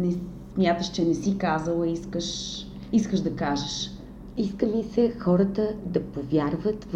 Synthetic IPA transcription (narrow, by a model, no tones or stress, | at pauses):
nɛ | smʲjat̪əʃt͡ʃɛnɛsikazəlˠiskəʃ | iskəʒd̪ɐkaʒəʃ | iskəmisɛxɔɾət̪əd̪ɐpovʲjaɾvət̪v